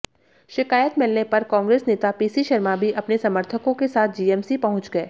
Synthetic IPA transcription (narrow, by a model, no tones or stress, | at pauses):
ʃɪkaːjət̪mɪlnepɐɾkãːŋɡɾeːsneːt̪apiːsiʃɐɾmabʱiʔɐpnesɐməɾt̪ʰəkõkesaːt̪̚ʰd͡ʒiːɛːmsipɐɦʊ̃t͡ʃɡɐeː